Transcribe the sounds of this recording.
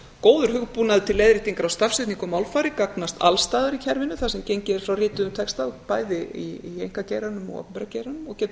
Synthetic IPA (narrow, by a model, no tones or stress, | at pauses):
koːwðʏɾ̥hʏɣpuːnaðɪt̪ʰɪlːejðɾɪht̪iŋkaɾawst̪afsɪt̪niŋkɔmawlfaːɾɪkaknast̪ʰa̰lst̪aːðʏɾicʰɛɾvɪnːʏθasɛmcejɲcɪɛɾ̥fɾawrɪːt̪ʏʏmt̪ʰɛkst̪apaːjðɪiiejŋ̥kacejɾanʏmɔ̰ɣɔ̰pɛmpɛɾaceːjɾanʏmɔɣcɛːt̪